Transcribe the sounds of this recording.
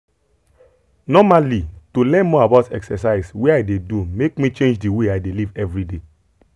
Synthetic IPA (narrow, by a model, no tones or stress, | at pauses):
nɔmalitulɛ̃nmɔabaʊtɛ̰ksɛsaɪsweaɪdedumekmit͡ʃẽnd͡ʒdiweaɪdelivɛvɹide